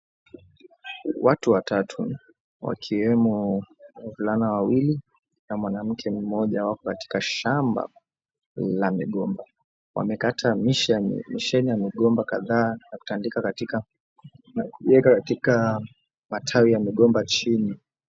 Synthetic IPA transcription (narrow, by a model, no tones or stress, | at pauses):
watuwatatʰu | wa̰kʰiwɛmɔ | vulanawawili | namwanam̩kʰɛm̩mɔʄawakɔkati̥kaʃamba̰ | lamiɠɔmba | wa̰mɛkatʰamiʃmiʃɛnijamiɠɔmbaka̰ðaːnaku̥tandikakatika | nakuʄɛkakatika | matʰawijamiɠɔmbat͡ʃini